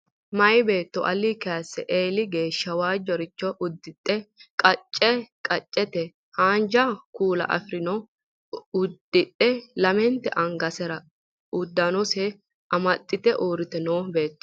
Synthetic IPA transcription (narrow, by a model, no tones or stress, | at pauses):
mɐjbe̞ːt̪ːɔʔɐlːikɛɐsːɛʔeːlɪɡe̞ːʃːɐwaːd͡ʒːɔɾɪt͡ʃːɔʔʊd̪ːɪt̪ʼːɛkʼɐt͡ʃʼːɛkʼɐt͡ʃʼːɛt̪ɛ | haːnd͡ʒɐkuːlɐ̰ʔɐ̰fɪɾɪnɔ | ʊd̪ːɪt̪ʼːɛlɐmɛnt̪ːɛʔɐŋɡɐsɛɾɐ | ʊd̪ːɐnɔsɛ | ʔɐmɐt̪ʼːɪt̪ɛʔoːɾɪt̪ɛnoːbe̞ːt̪ːɔ̥